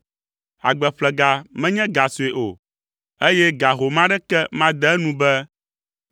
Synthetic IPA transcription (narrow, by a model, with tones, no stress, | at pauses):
a̰˨ɡ͡bɛ˨ɸlɛ˨ɡa˨mɛ̃˦ɲɛ̃˦ɡa˨so˨e˨ʔo˨ | e˦jɛ˦ɡa˨ɦo˨mã˦ɖɛ˦kɛ˦mã˦d̪ɛ˦nũ˦bɛ˦